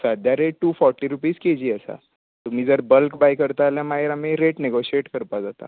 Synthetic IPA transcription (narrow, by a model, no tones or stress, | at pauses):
sad̪ʱjaɾeʈʈːuːfɔɾʈiɾupiːsked͡ʑiːəsa̰ | t̪um̤iːd͡zəɾbəlkbajkəɾt̪aːljamaeɾameɾeʈneɡoɕieʈkəɾpad͡zat̪a̰